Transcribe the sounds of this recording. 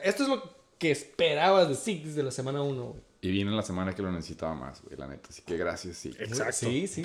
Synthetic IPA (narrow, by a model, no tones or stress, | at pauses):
e̞st̪oe̞zlo̞ | keːspeɾaβazðesiknizðe̞lasemãnaunoɣwḛjiβjenelasemãnakelonesesit̪aβama̰zɣwḛjla̰nḛt̪ḁsi̥keɣɾasjasːḭesaktsisi